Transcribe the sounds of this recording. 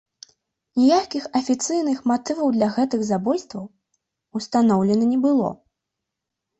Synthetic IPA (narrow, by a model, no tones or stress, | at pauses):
nʲɛjakʲixɐfʲit̪sɨjnɨxmat̪ɨvɐwd̪lʲɐɣɛt̪ɨɣzabɔjst̪vɐw | ust̪anɔwlʲɛnɐnʲɛbɨlˠɔ̰